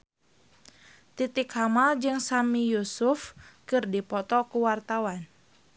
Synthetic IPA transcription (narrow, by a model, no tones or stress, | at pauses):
t̪it̪ɪkhamald͡ʒɨŋsamijusufkɨrdipɔt̪ɔkuwart̪awan